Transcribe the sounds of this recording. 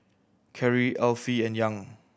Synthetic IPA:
kʰɛɹiʔɛlfiɛ̃njãŋ

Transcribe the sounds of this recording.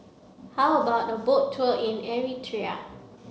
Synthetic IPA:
hawəbaʊt̚əbok̚tʰːuəĩnɛɹitʰɹia̰

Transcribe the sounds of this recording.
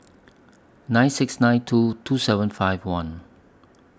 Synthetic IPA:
nãɪ̃nsɪksnãɪ̃ntʰutʰusɛvə̃nfaɪvwãn

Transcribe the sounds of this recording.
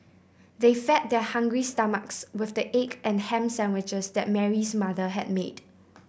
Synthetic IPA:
defɛt̚dɛhãŋɡɹistʌməkswɪθdəʔekʔɛ̃nhɛ̃msɛ̃nwɪt͡ʃəsdɛt̚mɛɹismaðəɦɛd̚med

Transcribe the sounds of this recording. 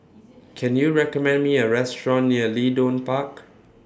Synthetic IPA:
kʰɛ̃njuɹɛkəmɛ̃ndmiəɹɛstɹɔ̃nːiəlidõnpak

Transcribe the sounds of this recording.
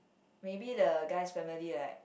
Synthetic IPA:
mebidəɡaɪsfɛmililaɪ

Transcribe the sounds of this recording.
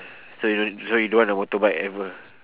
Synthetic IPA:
soisohiduanamot̪obajʔɛvə

